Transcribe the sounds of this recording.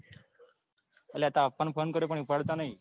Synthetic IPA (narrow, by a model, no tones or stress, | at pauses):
əleat̪aːpəɳfonkəɾepəɳ̃iupaɽt̪anaɦi